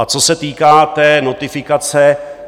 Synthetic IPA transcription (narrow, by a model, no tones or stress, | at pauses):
at͡sosɛt̪iːkaːt̪ɛːnot̪ɪfɪkat͡sɛ